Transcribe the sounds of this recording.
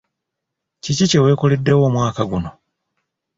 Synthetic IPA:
cicice̞we̞ːkolidːe̞wo̞ːmwaːkaɡuno̞

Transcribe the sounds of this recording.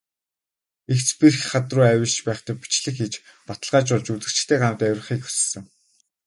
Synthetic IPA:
ext͡spirxχat̪rʊːæwʲɪ̆ɮt͡ɕpæːχt̪æːpu̥t͡ɕɮɘ̆xet͡ɕpat̪ə̆ɮʁaːt͡ɕʊɮt͡ɕut͡sɘ̆kt͡ɕ̆t̪ʰeːɢanwt̪æwʲrə̆χiːkxu̥s̆sɘ̆ŋ

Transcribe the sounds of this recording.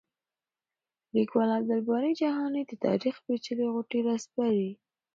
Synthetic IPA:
likwalab̚d̪albɑɾid͡ʒaɦɑned̪ət̪ɑ̰ɾixpet͡ʃəleɣʊʈiɾaspaɾi

